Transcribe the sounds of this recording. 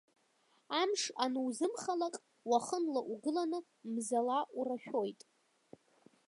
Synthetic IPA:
amʂanɨwzɨmχalakʼ | waχənlaʔuɡɨlanɨ | mzalaʔuraʃᶣo̞jtʼ

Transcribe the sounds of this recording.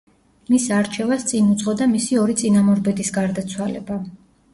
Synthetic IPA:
misaɾt͡ʃʰɛvast̪sʼinut̪sʼqʼɔd̪amisiɔɾit̪sʼinamɔɾbɛd̪isɡaɾd̪at̪sʰwalɛ̰ba

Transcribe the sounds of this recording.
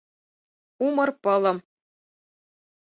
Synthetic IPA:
umɤ̆rpɤ̆lˠɤ̆m

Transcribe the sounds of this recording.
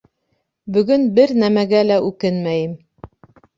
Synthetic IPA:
bɵ̆ɡɵnbɘɾnæmæɡælæʔʉkɘnmæjɘm

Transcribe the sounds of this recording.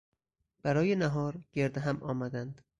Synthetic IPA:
b̥æɾɒːjenæɦɒːɾɟeɾd̪eɦæmʔɒːmæd̪ænd̪̥

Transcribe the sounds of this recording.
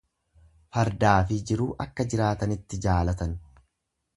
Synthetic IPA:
fɐɾd̪aːfɪd͡ʒɪɾuːʔɐkːɐd͡ʒɪɾaːt̪ɐnɪt̪ːɪd͡ʒaːlɐt̪ɐn

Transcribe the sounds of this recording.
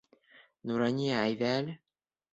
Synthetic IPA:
nuɾɑnʲijaːjðæːlɘ

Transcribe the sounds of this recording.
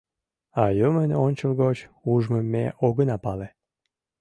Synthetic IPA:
ɑjəmənonʲt͡ɕəlɣot͡ɕuʒməmːḛʔoɣənɑpɑle

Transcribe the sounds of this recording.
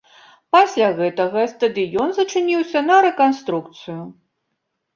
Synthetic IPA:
pasʲlʲaɣɛt̪ɐɣɐst̪ɐd̪ɨjɔnzɐt͡ʂɨnʲiwsʲɐnɐɾɛkanst̪ɾuk̚t̪sɨju

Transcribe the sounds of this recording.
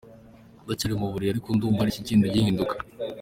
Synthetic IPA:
ɡat͡ʃiɾimuβuɾiaɾikunduːmbhaɾiciciːnduɟihiːndukḁ

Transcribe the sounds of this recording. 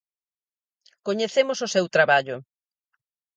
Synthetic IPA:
koɲeθemʊsosewt̪ɾaβaʎʊ

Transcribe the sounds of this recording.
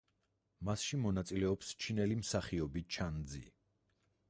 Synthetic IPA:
masʃimɔnat̪sʼilɛɔpst͡ʃʰinɛlimsaχiɔbit͡ʃʰand̪zḭ

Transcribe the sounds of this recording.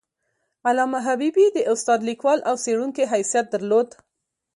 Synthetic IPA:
alɑmaɦabibid̪əʔʊst̪ɑd̪likwɑlʔawseɽuŋkeɦajsijat̪̚d̪aɾlod̪

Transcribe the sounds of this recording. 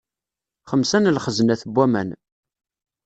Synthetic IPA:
χəmsænlχəznæθəbʷːæmæ̰n

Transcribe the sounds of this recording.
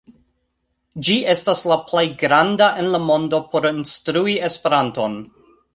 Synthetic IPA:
d͡ʒiʔe̞staslaplejɡɾandaʔe̞nlamo̞ndo̞pʰo̞ɾinstɾuie̞spe̞ɾanto̞n

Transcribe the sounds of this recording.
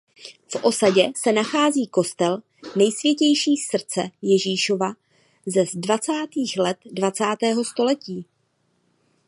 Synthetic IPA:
fʔo̞saɟɛsɛnaxaːziːko̞st̪ɛl | nɛjsvjɛcɛjʃiːsr̩t͡sɛjɛʒiːʃo̞va | zɛzdvat͡saːt̪iːxlɛt̪dvat͡saːt̪ɛːɦo̞st̪o̞lɛciː

